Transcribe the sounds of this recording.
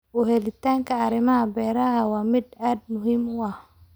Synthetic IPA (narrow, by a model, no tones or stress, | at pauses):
ʔʊɦɛlɪt̪ʰaːŋkʰɐːɾɪmɐɦɐbɛːɾɐɦɐwɑːmɪd̪aːd̪̚mʊɦiːmʊɐh